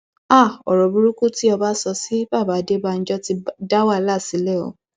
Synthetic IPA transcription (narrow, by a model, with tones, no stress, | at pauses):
a˦˨ɔ̰˨ɾɔ˨bu˧ɾu˦ku˦ti˦ɔ˧ba˦sɔ˧si˦ba˦˨ba˨˦de˦ba˦˧n̩˦d͡ʒɔ˦ti˧da˦wa˦˨la˦˨si˨˦lɛ˦˨o̰˨˦